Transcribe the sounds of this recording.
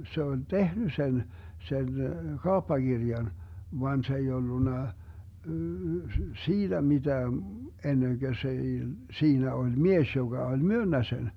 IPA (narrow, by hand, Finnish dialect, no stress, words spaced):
se olʲ tehny sen sen kɑopːɑkirjɑn ʋɑn se ei olːunːɑ siːd̥æ mid̥æː enːeŋɡ̊ø s ei siːnæ olʲ mies joɡ̊ɑ olʲ myønːæ sen